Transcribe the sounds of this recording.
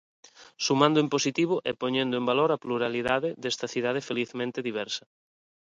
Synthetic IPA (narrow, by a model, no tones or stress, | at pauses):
sumãnd̪ʊemposit̪iβ̞oʔɛpoɲẽnd̪ʊẽmbaloɾapluɾaliðaðɪðest̪ɐθiðað̞efeliθmẽnt̪eðiβ̞ɛɾsɐ